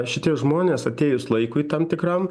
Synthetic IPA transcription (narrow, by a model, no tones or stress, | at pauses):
ʃʲɪt̪ʲiɛʒmoːnʲeːsɐt̪ʲeːjʊslˠɐɪkʊiːt̪ɐmt̪ʲɪkɾɐm